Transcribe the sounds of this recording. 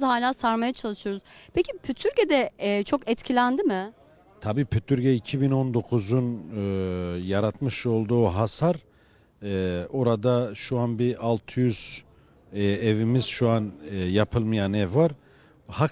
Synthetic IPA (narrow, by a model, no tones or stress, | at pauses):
haːlʲaːsaɾmajat͡ʃʰalˠɯʃɯjo̞ɾuzpʰecipʰyt̪ʰyɾɟed̪ɛt͡ʃʰo̞kɛt̪cʰilʲænd̪imɪ | t̪ʰabiːpʰyt̪ʰyɾɟɛicʰibinond̪o̞kʰuzun | jaɾat̪mɯʃo̞lˠd̪uːɦasaɾ | ɛo̞ɾad̪aʃuanbiʔalˠt̪ʰɯjyz̥ | ɛevimiz̥ʃuanjapʰɯlˠmɯjanɛvːaɾ | ha